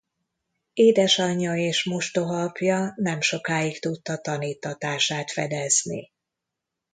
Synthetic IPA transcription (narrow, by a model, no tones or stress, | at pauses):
eːd̪ɛʃɒɲːɒeːʃmuʃt̪o̞ɦɒpjɒnɛmʃo̞kaːikt̪ut̪ːɒt̪ɒniːt̪ːɒt̪aːʃaːt̪fɛd̪ɛznḭ